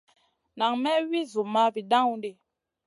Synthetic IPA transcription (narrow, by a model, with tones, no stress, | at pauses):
na˨ŋmɛ˦wi˦zu˨ma˦bi˨ɗã˦ŋu˦nde˨